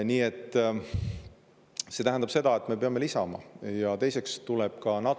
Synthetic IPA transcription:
niːe̞t̪ːˑ | se̞t̪æɦænd̪̥ɑbse̞d̪ɑe̞t̪ːˑme̞pe̞ɑme̞lisɑmɑ̰jɑt̪e̞jse̞kst̪ulɛb̥kɑnɑ

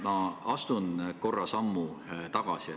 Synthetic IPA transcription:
mɑɑst̪unko̞rːɑsɑmːut̪ɑɡ̥ɑsi

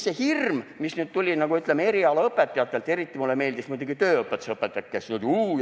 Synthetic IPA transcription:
sehirmmisnyːd̪̥̚t̪ulʲinɑɡ̥uyt̪lemee̞ɾiɑlɑɤpˑːet̪ːˑɑjɑt̪ːˑe̞lt̪ːˑe̞ɾit̪ːˑimulːeme̞ːld̪ismuijd̪uɡ̥it̪ø̞ːɤpːˑet̪ːu̥sɤpːˑet̪ːˑekːesnyːd̪uː

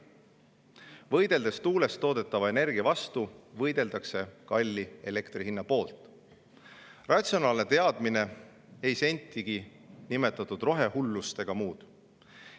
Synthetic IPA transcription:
vɤ̞jd̪̥e̞ld̪̥e̞st̪uːle̞st̪o̞ːd̪̥e̞t̪ːˑɑvɑe̞ne̞rɡiɑvɑst̪uvɤjd̪̥e̞ld̪ɑkse̞kɑlʲːie̞le̞kt̪riɦinːɑpo̞ːlt̪ˑ | rɑt̪sio̞nɑːlne̞t̪e̞ɑd̪̥mine̞ | e̞jse̞nʲt̪ʲːˑiɡ̥i | nime̞t̪ːˑɑt̪ːˑud̪ro̞ɦe̞hulːust̪e̞ɡ̥ɑmuːd̪̥

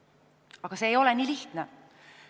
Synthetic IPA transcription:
ɑɡ̥ɑse̞ːjo̞lɛnʲiːliht̪ne

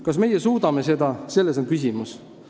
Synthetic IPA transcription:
kɑsme̞jesuːd̪̥ɑme̞se̞d̪̥ɑse̞lːeso̞nkysʲimus

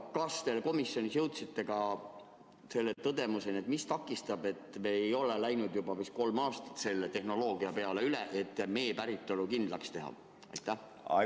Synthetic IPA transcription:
kɑst̪e̞lko̞misːjo̞nisjɤ̞wt̪sit̪ːˑe̞kɑ | se̞lːe̞t̪ɤd̪e̞muse̞net̪mist̪ɑkːˑist̪ɑbe̞t̪ːˑme̞ejo̞lelæjnud̪̥jubɑvisko̞lmɑːst̪ɑ̥t̪se̞lːet̪e̞hno̞lo̞ːɡiɑpe̞ɑle̞yleʔet̪ːˑme̞jepæɾit̪ːˑo̞lukind̪̥lɑkst̪e̞ɦɑ̰ | ɑ̰jt̪ːˑæh

